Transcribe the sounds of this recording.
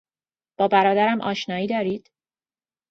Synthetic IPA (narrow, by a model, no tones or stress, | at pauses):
b̥ɒːbæɾɒːd̪æɾæmʔɒ̰ːʃnɒːiːd̪ɒːɾiːd̪̥